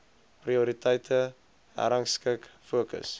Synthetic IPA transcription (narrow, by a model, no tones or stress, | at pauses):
priuɾitʰəjtʰə | æ̰ɾəŋskəkfuəkə̰s